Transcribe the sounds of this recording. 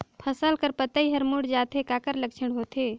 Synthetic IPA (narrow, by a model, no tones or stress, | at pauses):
pʰəsəlkəɾpət̪əiɦəɾmuɽd͡ʒat̪ʰekakəɾləkt͡ʃʰəɽɦot̪ʰe